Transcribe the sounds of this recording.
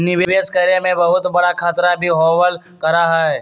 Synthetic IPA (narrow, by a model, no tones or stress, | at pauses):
nːɪʋeʋeːskəɾemẽbɐɦʊt̪bɐɽakʰaːt̪ɾabʱiɦɔːwəl | kɐɾaɦaɛ